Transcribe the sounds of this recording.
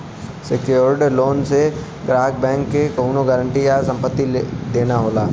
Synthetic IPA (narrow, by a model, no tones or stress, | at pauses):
sɪkjoɾɖloːnse | ɡɾaːɦɡ̚bɛ̃ːŋkːekɐɦuːnoɡəɾə̃ɳʈijasɐ̃mpət̪ːid̪eːnaɦoːlaː